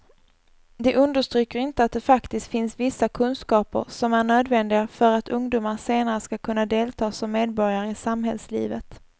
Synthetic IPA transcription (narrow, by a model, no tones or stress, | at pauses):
d̪ɛʔɵnd̪əʂt̪ɾyːkːəɾɪnt̪əat̪̚d̪ɛfakt̪ɪst̪fɪnsvɪsːakʰɵnskɑːpə̰ɾsɔmæɳøːd̪vɛnd̪ɪɡafœɾat̪ʰɵŋd̪uːmaɾseːnaɾəskakʰɵnːad̪eːlt̪ʰɑːsɔmːeːd̪̚bɔɾjaɾəɪsamɦɛlslḭːvət̪